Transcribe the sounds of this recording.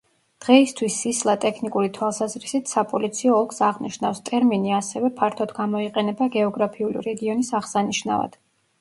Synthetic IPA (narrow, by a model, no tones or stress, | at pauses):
d̪̥ʁɛist̪ʰwisːislˠat̪ʼɛkʰnikʼuɾit̪ʰwalˠsazɾisit̪ʰsapʼɔlit̪sʰiɔːlˠkʰsaʁniʃnafst̪ʼɛɾminiasɛvɛpʰaɾt̪ʰɔd̪ɡamɔiqʼɛnɛbaɡɛɔɡɾapʰiulḭɾɛɡiɔnisaʁsaniʃna̰va̰d̪̥